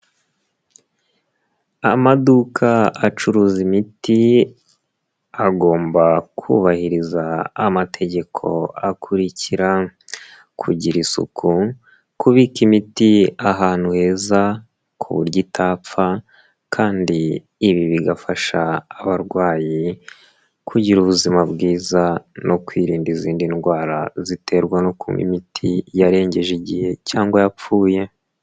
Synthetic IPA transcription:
amadukʰaat͡ʃuɾuːzimiti | aɡo̞ːmbakʰṵːβahiɾizaːmatʰe̞ɟe̞kʰo̞̰akʰuɾicʰiɾa | kʰuɟiɾisṵkʰu | kuβikimitiaɦaːn̥huhe̞ːza | kʰuβṵɾɟitaːp͡fa | kʰaːndiː | βiβiɡafaʃaːβaɾɡwaːji | kʰuɟiɾuβuzimabɡiːzanʔo̞kwiːɾiːndiziːndinɡwaːɾa̰zite̞ɾɡwano̞kʰṵmḭmitʰijaɾe̞ːɲɟe̞ʒiɟihe̞caːŋɡwajap͡fuːje̞

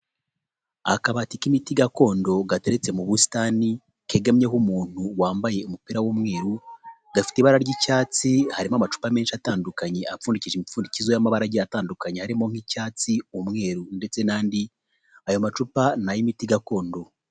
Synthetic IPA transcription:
a̰kaβatikimitiɡako̞ːndo̞ɡate̞ɾet͡se̞muβusi̥taːni | ke̞ːɡamɲeɦumuːn̥huwaːmbaje̞umupiɾawumŋe̞ːɾu | ɡ̥afi̥tiβaɾaɾɟicaːt͡sihaɾimoamat͡ʃu̥pame̞ːnʃiataːndukaɲe̞ʔafuːndiciʒimifuːndicizojamaβaɾaɟijataːndukaɲehaɾimo̞ŋ̥icaːt͡siumŋe̞ːɾunde̞t͡se̞naːndi | ajo̞mat͡ʃupanajimitiɡako̞ːndo̞

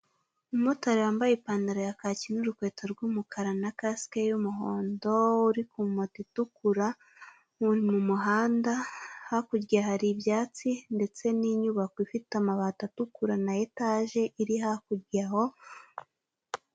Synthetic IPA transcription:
umotaɾejaːmbajepaːndaɾojakacinuɾukwe̞ːtoɾɡumukʰaɾanakaskejumuɦoːndo̞uɾikumotitukuɾa | uɾimumuɦaːndahakuɾɡaɦaɾibjaːt͡sinde̞t͡se̞niɲuβakoifitamaβaːtatukuɾanajetaʒe̞ʔiɾiɦakuɾɡaho̞

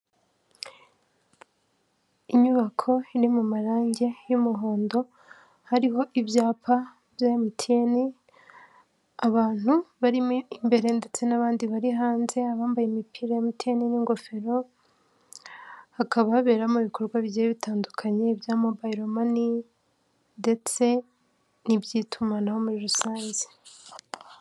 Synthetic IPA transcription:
iɲuβakʰo̞iɾimumaɾaːɲɟe̞jumuɦo̞ːndo̞ | haɾiɦo̞ʔibjaːpʰa | bjajamitʰieni | aβaːn̥huβaɾiimbe̞ɾe̞nde̞t͡se̞naβaːndiβaɾiɦaːnze̞aβaːmbajemipʰiɾajamitieniniŋɡo̞fe̞ɾo̞ | hakaβaβaβe̞ːɾamuβiko̞ɾɡwaβiejeβitaːndukʰaɲe̞ibjaːmobaiɾo̞mani | nde̞t͡se̞ | nibjiːtʰumanaho̞muɾiɾusaːɲzi̥

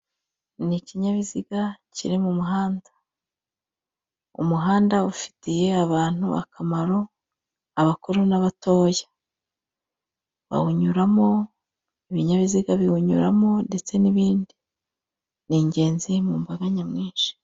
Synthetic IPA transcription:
niciɲaβiziɡacḭɾimumuɦaːndḁ | ṵmuɦaːndaufi̥tije̞aβaːn̥hṵa̰kʰamaɾo̞ | aβakuɾunaβato̞ːjḁ | βa̰huɲuɾamo̞ | iβiɲaβiziɡaβihuɲṵɾamo̞nde̞t͡se̞niβiːndi | niɲɟe̞ːnzimuːmbaɡaɲamŋiːnʃi̥

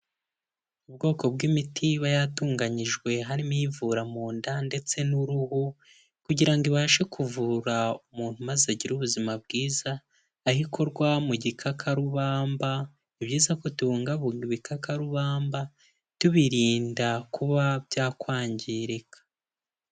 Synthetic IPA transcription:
ubɡo̞ːko̞bɡimitʰiβajatuːŋɡaɲiʒɡwe̞ɦaɾimivuɾamuːndande̞t͡se̞nuɾuhu | kuɟiɾaŋɡiβaːʃekʰuvuɾaumuːn̥humazeaɟiɾuβuzimab̚ɡiːzaː | hikʰo̞ɾɡwamuɟikʰakʰaɾuβaːmba | iβɟiːzako̞tuβuːŋɡaβuiβikakaɾuβaːmba | tuβiɾiːndakuβabɟaːkwaːɲɟiɾekʰḁ

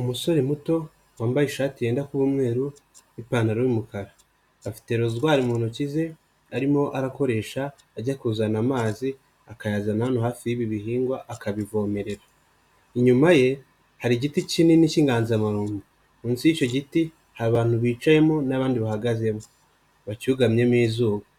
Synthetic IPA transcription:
umuso̞ɾe̞muto̞ | waːmbajiʃaːtiɾeːndakuβumŋe̞ːɾu | ipaːnaɾowimukaɾaː | fi̥te̞ɾozuɡwaːɾimunucize̞ | aɾimo̞ʔaɾako̞ɾe̞ːʃaː | ɟakuzanamaːzi | akajaːzananohaːfiiβiβiɦiːŋɡwaʔakaβivo̞me̞ɾe̞ɾa | iɲumaje̞ | haɾiɟiticininiciːŋɡaːnziamaɾuːmbu | muːnsiico̞ɟiti | haɾaβaːn̥huβiːt͡ʃaje̞monaβaːndiβahaɡaze̞mo | βacuɡamɲe̞miːzuːβa

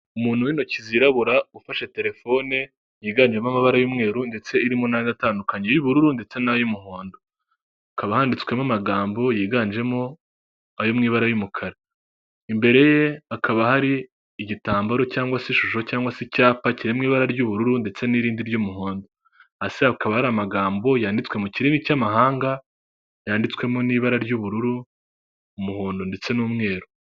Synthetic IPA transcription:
umuːn̥huwino̞ciziɾaβuɾaufaʃe̞te̞ɾe̞fo̞ne | jiːɡaːnd͡ʒe̞mamaβaɾajumŋe̞ːɾunde̞t͡se̞iɾimonanataːndukaɲe̞juβuɾuɾunde̞t͡se̞najumuɦo̞ːndo̞ | kaβahaːndit͡swe̞mamaɡaːmbo̞jiːɡand͡ʒe̞mo̞ | ajomŋiːβaɾajumukʰaɾa | imbe̞ɾe̞je̞akaβahaɾiː | ɟitaːmbaɾo̞caːŋɡwasiʃuʃo̞caːŋɡwasicaːpaciɾemŋiːβaɾaɾɟuβuɾuɾunde̞t͡se̞niɾiːndiɾɟumuɦoːndo | asiakaβahaɾamaɡaːmbo̞jaːndit͡swe̞muciɾiːŋɡicamaɦaːŋɡa | jaːndit͡swe̞mo̞niːβaɾaɾɟuβuɾuɾu | umuhoːndonde̞t͡se̞nuːmŋe̞ːɾo

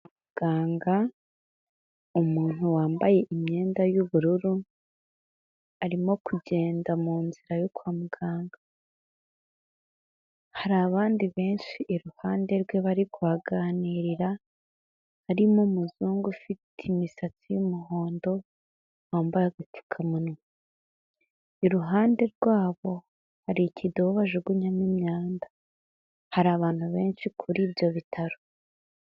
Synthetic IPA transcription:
amuɡ̥aːŋɡa | umuːn̥huwaːmbaje̞ʔimɲe̞ːndajuβuɾuɾu | aɾimo̞kuɟe̞ːndamuːnziɾajokwaːmuɡaːŋɡa | haɾaːβaːndiβe̞ːnʃiʔːɾuhaːnde̞ɾɡwe̞βaɾikuaɡaniɾiɾa | haɾimomuzuːŋɡufitʰimisat͡sijumuɦo̞ːndo̞ | waːmbaɾaɡatu̥kʰamuni | iɾuɦaːnde̞ɾɡwaːβo̞ | haɾicʰidoβaʒoɡuɲamimɲaːnda | haɾaːβaːn̥huβe̞ːnʃikʰuɾiːbjo̞βitʰaɾo

